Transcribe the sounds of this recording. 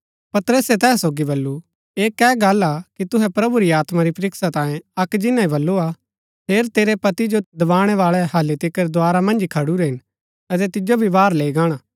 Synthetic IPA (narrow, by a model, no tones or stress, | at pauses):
pɐt̪ɾəsɛt̪ɛːsoːɡibɐlːu | eːkɛːɡaːlakit̪ʊɦɛpɾɐbuɾiaːt̪maɾipɐɾɪksat̪ãːẽɐkd͡ʒɪnãĩbɐlːua | pʰeːɾt̪eːɾɛpɐt̪id͡ʒod̪ɐʋaːɽ̃ɛʋaːɭɛhɐlːit̪ɪkːəɾd̪ʊaːɾamɐ̃nd͡ʒkʰɐɽuɾɛɦɪn | ɐt̪̬ɛt̪ɪd͡ʒobʱibaːɾleːiɡaːɽ̃aː